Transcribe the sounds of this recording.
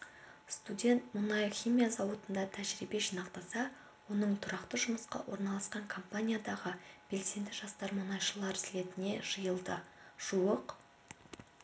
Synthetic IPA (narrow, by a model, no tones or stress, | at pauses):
st̪udʲe̞nt̪mʊnɑjχʲimʲijazɑwət̪ənd̪ɑt̪ʰæʒɾibe̞ʃinɑqt̪ɑsɑ | wo̞nəɴt̪ʰʊɾɑqt̪əʒʊməsqɑ̰wʔo̞̰ɾnɑlˠɑsqɑŋkʰo̞mpanʲijad̪ɑʁəb̥e̞lse̞nd̪ɪʒɑst̪ɑɾmʊnɑjʃəlˠɑɾzɪle̞t̪ɪne̞ʒəjəlˠd̪əʒ̥uəq